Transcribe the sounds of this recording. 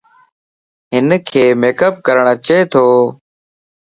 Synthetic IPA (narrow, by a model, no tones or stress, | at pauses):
ɦɪnkʰeːmeːkəp̚kəɾəɳ̃at͡ʃeːt̪ʰoː